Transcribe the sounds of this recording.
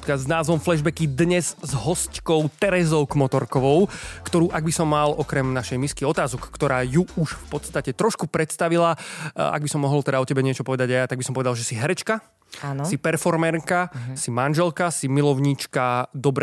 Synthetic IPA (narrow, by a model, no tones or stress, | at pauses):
znaːzʋɔmflɛʒbɛkid̪ɲɛzzɦɔsckɔʊt̪ɛɾɛzɔʊkmɔt̪ɔɾkɔʋɔʊkt̪ɔɾuːʔaɡbisɔmːalʔɔkɾɛmnaʃɛjmiskiɔt̪aːzɔkːt̪ɔɾaːjuuʃfpɔt̪st̪acɛt̪ɾɔʃkupɾɛt̪st̪aʋilaa̰ɡbisɔmːɔɦɔlt̪ɛd̪aɔcɛbɛɲɪɛt͡ʃɔpɔʋɛd̪aɟajat̪aɡbisɔmpɔʋɛd̪alʒɛsiɦɛɾɛt͡ʃka | anssipɛɾfɔɾmɛɾkasimanʒɛlkasimilɔʊɲiːt͡ʃkad̪ɔbɾ